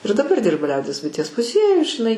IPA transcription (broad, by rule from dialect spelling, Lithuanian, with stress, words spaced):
ɪr dɐˈbɐr ˈdʲɪrbɐ ˈlʲɛʊdʲiɛs bʊɪˈtʲiɛs mʊˈzʲiɛjʊj ʒʲɪˈnɐɪ